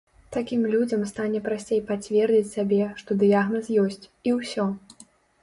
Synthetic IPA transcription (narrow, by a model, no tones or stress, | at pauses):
t̪akʲimlʲud͡zʲɐmst̪anʲɛpɾasʲt͡sʲejpat͡sʲvʲɛrd͡zʲit͡sʲsʲabʲɛʂt̪ɔd̪ɨjaɣnɐsjɔsʲt͡sʲiwsʲɔ